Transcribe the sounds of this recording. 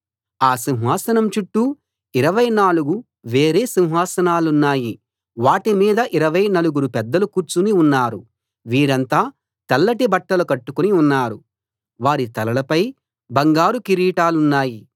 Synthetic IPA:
aːsiw̃ɦaːsɐnɐmt͡ʃuʈːu | iɾɐʋɐjnaːluɡu | ʋe̞ːɾe̞ːsiwɦaːsɐnaːlunːaːji | ʋaːʈimiːd̪ɐʔiɾɐʋɐjnɐluɡuɾupɛd̪ːɐlukuːɾt͡ʃuniunːaːɾu | ʋiːɾɐnt̪aː | t̪ɐlːɐʈibɐʈːɐlukɐʈːukuniunːaːɾu | ʋaːɾit̪ɐlɐlɐpɐj | bɐŋɡaːɾukiɾiːʈaːlunːaːji

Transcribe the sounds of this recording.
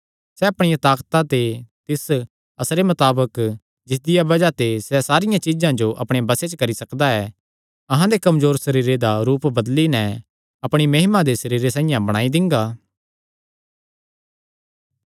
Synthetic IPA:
sɛɐpɽ̃ɪjãt̪aːkt̪at̪et̪ɪs | ɐsɾemɐt̪aːbək | d͡ʒɪs̬d̪ɪjabɐd͡ʒat̪esɛsaːɾɪjãt͡ʃizãd͡ʒoʔɐpɽ̃ẽbɐset͡ʃkɐɾisɐkd̪aɛ | ɐɦãd̪ekɐmzoːɾsɐɾiːɾed̪aɾuːpbɐd̪linɛ | ɐpɽ̃imɐɦɪmãd̪esɐɾiːɾesãːĩjãbɐɽ̃aːid̪ɪ̃ŋɡaː

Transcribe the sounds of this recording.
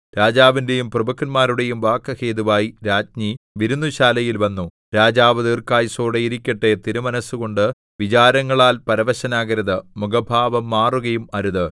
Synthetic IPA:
ɾaːd͡ʑaːʋinde̞jumprɐbɐkːɐnmaːɾuɽe̞jumʋaːkːɐhe̞ːðuʋaːjiɾaːd͡ʑɲiʋiɾunːuɕaːlɐjilʋɐnːu | ɾaːd͡ʑaːʋɐðiːrkaːjsoːɽejiɾikʲːɐʈːe̞t̪iɾumɐnɐsuɣo̞ɳɖɨ | ʋit͡ɕaːɾɐŋːɐɭaːlpɐɾɐʋɐɕɐnaːɣɐɾɐðɨmuɡɐbʱaːʋɐmːaːruɣɐjumɐɾuðɨ

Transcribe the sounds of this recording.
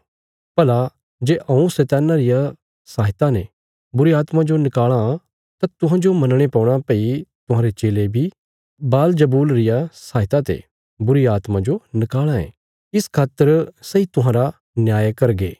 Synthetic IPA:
pɐla | d͡ʒeːʔɐ̃ũset̪ɛːnaɾɪja | saːɦɪt̪ane | bʊɾiaːt̪mãd͡ʒonɪkaːɭa | t̪at̪ʊɦãːd͡ʒomɐnɽ̃epɔ̃ːɽ̃apəːit̪ʊɦãːɾet͡ʃeːlebʱi | baːld͡ʒɐbuːlɾɪjasaːɦɪt̪at̪ḛ | bʊɾiaːt̪mãd͡ʒonɪkaːɭaḛ̃ː | ɪskʰaːt̪əɾsɐit̪ʊɦãːɾa | njaːjkɐɾɡeː

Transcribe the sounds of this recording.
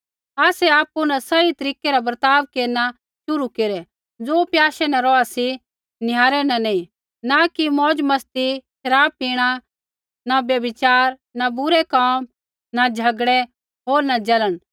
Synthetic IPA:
aːsɛaːpːunãsɐit̪ɐɾiːkɛɾabəɾt̪aːʋkeːɾna | ʃʊɾukeɾɛ | d͡zoːpjaːʃɛnɛ̃ɾɔasi | nɪjaːɾɛnɛnɐĩ | nakimɔːd͡ʒmɐst̪iʃɐɾaːb̚iːɽ̃a | nabjɐbɪt͡ʃaːɾ | nabʊɾɛkaːm | nad͡ʒʱɐɡɽɛ | ɦoːɾnad͡ʒɐləɽ̃

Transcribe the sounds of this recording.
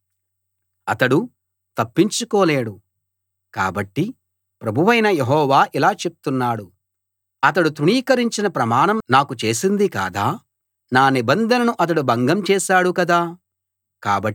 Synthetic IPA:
ɐt̪ɐɽu | t̪ɐpːiɲt͡ʃukoːleːɽu | ka̰ːbɐʈːi | pɾɐbʱuʋɐjnɐjeɦɔːʋaːʔilaːt͡ʃe̞p̚u̥t̪unːaːɽu | ɐt̪̬ɐɽut̪ɾuɳiːkɐɾiɲt͡ʃinɐpɾɐmaːnɐmnaːkut͡ʃe̞ːsind̪ika̰ːd̪aː | naːnibɐnd̪ʱɐnɐnuʔɐt̪̬ɐɽubɐŋɡɐmt͡ʃɛːʃaːɽukɐd̪aː | kaːbɐ

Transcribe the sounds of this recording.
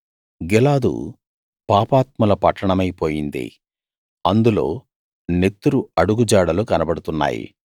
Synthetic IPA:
ɡɛlaːd̪ṵ | paːpaːt̪̚mɐlɐpɐʈːɐɳɐmɐjpoːjind̪ḭ | ɐnd̪ulo̞̰ː | net̪ːuɾuɐɽuɡud͡ʒaːɽɐlukɐnɐbɐɽut̪unːa̰ːjḭ

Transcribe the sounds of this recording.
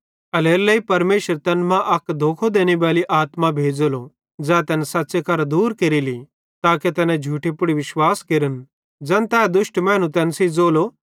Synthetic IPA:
ɐleːɾlɐipɐɾmeːʃəɾt̪ɛːnmãʔɐkd̪ʱoːkʰod̪eːniʋaːliʔaːt̪mabʱeːd͡zolo | d͡zɛ̃ːt̪ɛːnsɐtːsekɐɾd̪uːɾkeɾili | t̪aːket̪ɛːnɛ̃d͡ʒʱuːʈipʊɽiʋɪʃwaːskɪɾən | d͡zɐnt̪ɛːd̪ʊʃʈmɛ̃ːnũt̪ɛːnsid͡zoːlo

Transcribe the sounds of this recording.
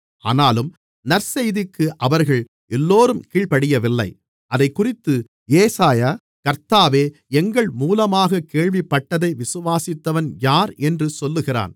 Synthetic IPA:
ʔaːnaːlɯm | nɐɾsɛjðɪkːɯʔɐʋɐɾɣɐɭ | ʔɛlːoːɾɯmkiːɭpɐɽɪjɐʋɪlːɐɪ | ʔɐðɐɪkːʊrɪt̪ːɯ | eːsaːjaː | kɐɾt̪aːʋeː | ɛŋɡɐɭmuːlɐmaːɣɐkeːɭʋɪpːɐʈːɐðɐɪʋɪsɯʋaːsɪt̪ːɐʋɐnjaːɾɛndrɯsɔlːɯɣɪra̰ːn

